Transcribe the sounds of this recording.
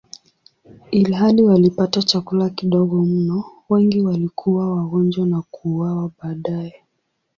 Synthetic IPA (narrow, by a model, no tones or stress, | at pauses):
ilɦaliwalipatat͡ʃakulakiɗɔɠɔm̩nɔwɛŋɡiwalikʰuwawaɣɔnd͡ʒwanakuːwawaɓaːɗaɛ